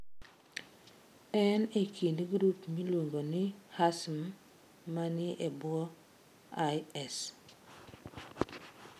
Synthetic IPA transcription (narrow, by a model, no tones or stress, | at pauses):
ɛnekʰindɡɾupmilwoŋɡonɪhasmː | anɪʔebʊɔ | ajɛs